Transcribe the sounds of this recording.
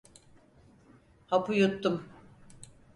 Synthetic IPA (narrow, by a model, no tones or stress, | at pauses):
hapujut̪ːum